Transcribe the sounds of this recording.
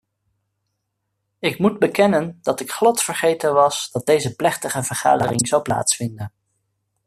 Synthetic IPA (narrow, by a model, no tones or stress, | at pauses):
ɪkmud̚bəkɛnəndɑtɪkχlɑtfəɹχejtənʋɑsd̥ɑd̚dejzəplɛχtəχəvəɹχa̰ːdərɪŋzʌwpla̰ːtsfɪndən